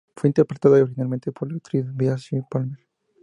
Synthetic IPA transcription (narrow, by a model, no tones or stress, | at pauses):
fweint̪eɾpɾet̪aðaoɾxinalment̪epoɾlak̚t̪ɾisβiasipalmeɾ